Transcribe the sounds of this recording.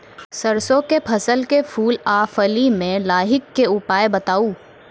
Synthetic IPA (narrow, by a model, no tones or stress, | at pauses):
sɐɾsõkepʰɐsəlkefʰuːlaːfəlimẽlaːɦɪkːeʊpaːebɐt̪aːuː